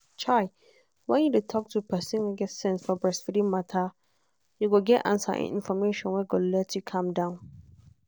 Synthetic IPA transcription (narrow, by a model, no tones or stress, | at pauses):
t͡ʃʰaɪ | wɛ̃njudetʰɔk̚tʰupʰɛsɪ̃noɡɛtsɛ̃nsfɔbɹɛsfidĩmatʰa | juɡoɡɛʔã̰nsa̰ʔɛ̰̃nɪ̰̃nfɔmeʃɔ̃nwɛɡolɛtʰjukʰãmdãʊ̃n